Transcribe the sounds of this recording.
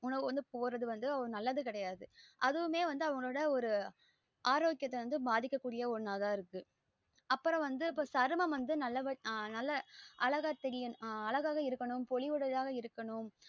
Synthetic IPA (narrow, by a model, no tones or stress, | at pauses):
ʊnɐʋɯʋɐnd̪ɯpoːɾɐðɯʋɐnd̪ɯɐɐɯnɐlːɐðɯkɪɽɐjaːðɯʔɐðɯɯmeːʋɐnd̪ɯɐʋɐŋɡɐɭoːɽɐɔɾɯ | ʔaːɾoːkɪjɐt̪ːɐʋɐnd̪ɯbaːðɪkːɐkːuːɽɪjɐɔɾɯnaːðãːɪɾɯkːɯ | ɐpːɯɾɐ̃ʋɐnd̪ɯpːoːsɐɾɯmɐmʋɐnd̪ɯnɐlːɐʋɐnɐlːɐʔɐɭɐɣɐt̪ːɛɽɪjɐɐɭɐɣaːɣɐɪɾɯkːɐɳʊmpɔɭɪʋɯɽɐðaːɣɐɪɾɯkːɐɳʊm